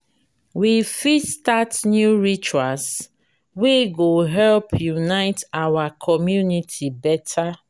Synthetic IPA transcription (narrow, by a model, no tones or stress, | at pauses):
wifistatnjuɹit͡ʃuas | weɡoɦɛlpjunaɪtawakʰɔmjunitʰibɛtʰa